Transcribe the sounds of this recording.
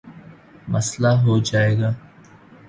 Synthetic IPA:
məslaɦoːd͡ʒaːeːɡaː

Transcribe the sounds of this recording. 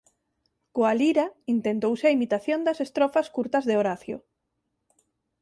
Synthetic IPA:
koaliɾaint̪ent̪owseɐimit̪aθjond̪ɐsest̪ɾofaskuɾt̪ɐzðeoɾaθjo̰

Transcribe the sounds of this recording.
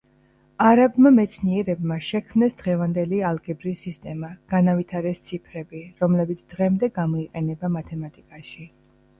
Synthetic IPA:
aɾabmamɛt̪sʰniɛɾɛbmaʃɛkʰmnɛsd̪ʁɛvand̪ɛlialˠɡɛbɾisist̪ʼɛmaɡ̥anavit̪ʰaɾɛst̪sʰipʰɾɛbiɾɔmlɛbit̪sʰd̪ʁɛmd̪ɛɡamɔiqʼɛnɛbamat̪ʰɛmat̪ʼikʼaʃi

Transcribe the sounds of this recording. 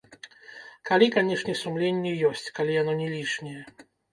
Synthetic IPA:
kalʲikanʲɛʂnʲɛsumlʲenʲːɛjɔsʲt͡sʲkalʲijanɔnʲɛlʲiʂnʲɛjɛ

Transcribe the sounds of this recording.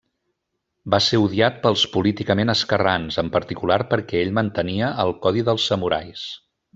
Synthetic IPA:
baseuðiat̪̚pəlˠspulit̪ikəmenəskəranzəmpəɾt̪ikulaɾpəɾkɛeʎmənt̪əniəʔəlˠkɔðiðəlˠsːəmuɾajs

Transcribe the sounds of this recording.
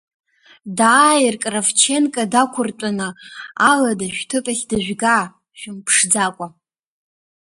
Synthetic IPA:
daːjirkʼravt͡ʃʰenkʼadakʷʰʊrtʼanɨaladaʃᶣtʰɨpʼaɬʲdaʒʷᶣɡa | ʃᶣʊmpʰʂd͡zakʷʼa

